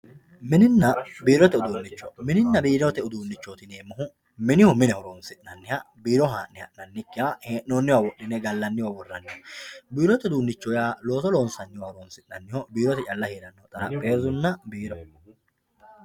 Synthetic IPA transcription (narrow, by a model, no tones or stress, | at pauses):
mɪnɪnːɐbiːɾɔt̪ɛʊd̪uːnːɪt͡ʃːɔmɪnɪnːɐbiːɾot̪ɛʊd̪uːnːɪt͡ʃːoːt̪ɪneːmːʊɦʊ | mɪnɪhʊmɪnɛhɔɾoːnsɪʔnɐnːɪhɐ | biːɾɔɦaːnnɪhɐ̰ʔnɐnːɪkːɪaheːʔnoːnːɪwaːwɔʔɪnɛɡɐlːɐnːɪwabɔrːɐnːɪhɔbiːɾɔt̪ɛʊd̪uːnːɪt͡ʃːɔjaːlo̞ːt̪ɔloːnsɐnːɪwaːɔɾoːnsɪʔnːɐnːɪhɔbiːɾɔt̪ɛt͡ʃʼɐlːɐheːɾɐnːɔt̪ʼɐnɐ̰pʼeːzʊnːɐbiːɾɔ